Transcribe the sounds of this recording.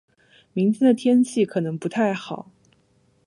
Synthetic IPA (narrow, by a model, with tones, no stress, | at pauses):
mi˧˥ŋt̪ʰjɛ˥nd̪ə˨t̪ʰjɛ˥nt͡ɕʰi˥˩kʰɤ˨˩nɤ˧˥ŋpu˧˥t̪ʰa˥˩ɪxɑ˨˩˦ʊ